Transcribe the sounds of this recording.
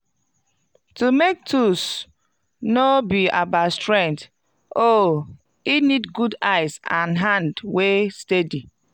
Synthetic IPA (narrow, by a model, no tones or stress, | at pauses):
tumek̚tʰus | nobiabastɹɛ̃ŋk̚t | o | inidɡudaɪzãnɦãndwestedi